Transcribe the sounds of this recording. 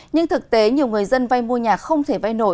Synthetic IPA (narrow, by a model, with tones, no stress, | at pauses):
ɲɨ˧ŋt̪ʰɨ˨˩k̚t̪e˨˦ɲi˨˩əwŋɨ˨˩əjzə˧nva˧jmu˧əɲaː˨˩k̚xə˧wŋ͡mt̪ʰe˧˩va˧jno̰˧˨